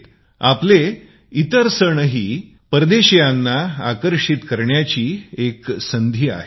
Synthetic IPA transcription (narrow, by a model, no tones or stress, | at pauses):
aple | it̪əɾsəɳəɦiː | pəɾd̪eɕjanːaakəɾʂit̪kəɾɳjat͡ɕiːeksənd̪ʱiːa̰ɦe